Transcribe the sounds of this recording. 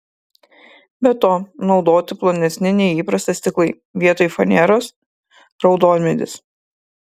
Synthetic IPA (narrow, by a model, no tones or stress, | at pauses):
bʲɛt̪oːnɒʊd̪oːt̪ʲɪplˠonʲɛsʲnʲɪnʲɛɪiːpɾɐsʲt̪ɐsʲt̪ʲɪklˠɐɪ | ʋʲiɛt̪oːjfɔnʲɛɾoːs | ɾɒʊd̪oːlʲmʲɛd̪ʲɪ̰s